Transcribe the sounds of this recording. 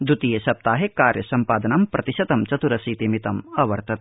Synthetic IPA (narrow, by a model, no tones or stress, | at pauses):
d̪ut̪ijeʃɐp̚t̪aːɦekaːɾjɐsɐmpaːd̪ɐnɐmpɾɐt̪iʃɐt̪ɐmt͡ʃɐt̪uɾɐsiːt̪imit̪ɐmɐʋɐɾt̪ʰɐt̪̚